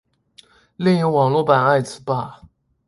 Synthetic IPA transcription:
li˥˩ŋi˧˥ŋwɑ˨˩ŋlwɔ˥˩pa˨˩na˥˩ɪt͡sʰɹ̩˧˩pa˧˩

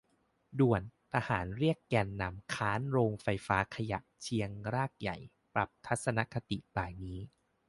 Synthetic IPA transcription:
du˨˩ənt̪ʰa˧haː˩˦nɾi˥˩əkːɛː˧nːa˧˩mkʰaː˦˥nɾoː˧ŋfa˧jfaː˦˥kʰa˧ja̰˨˩ʔt͡ɕʰi˧əŋɾaː˥˩k̚ja̰˨˩j | pɾa˨˩p̚t̪ʰa˦˥t̪̚sa˧na˦˥kʰa˧t̪ḭ˨˩ʔp̪aː˨˩jniː˦˥

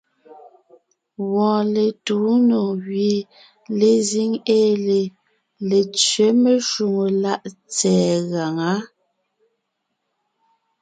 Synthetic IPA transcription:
ɣwɔ̃ː˨le˨tu˨˦no˨ɣɥe˨ | le˨zi˦ŋeː˦le˨ | le˨t͡sɥe˨˦me˨ʃu˨ŋo˨la˦ʔt͡sɛː˨˦ɣa˨ŋa˨˦

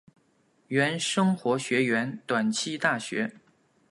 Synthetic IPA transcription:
ɥɛ˧˥nʂɤ˥ŋxwɔ˧˥ɕɥɛ˧˥ɥɛ˧˥nt̪wa˨˩nt͡ɕʰi˥˧t̪a˥˩ɕɥɛ̰˧˥

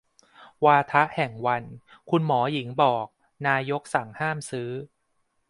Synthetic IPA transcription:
waː˧t̪ʰa˦˥ʔhɛ˨˩ŋwa˧nkʰu˧nmɔː˩˦ji˩˦ŋbɔː˨˩k̚ | naː˧jo˦˥k̚sa˩˦ŋhaː˥˩msɯː˦˥

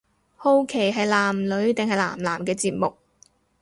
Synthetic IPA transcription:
ho˥wkʰe˨˩jɦɐ˨jlaː˨˩mlɵ˨˧˥ɥt̪ɪ˨ŋɦɐ˨jla̰ː˨˩mlaː˨˩mkɛː˧t͡siː˨p̚mʊ˨k̚

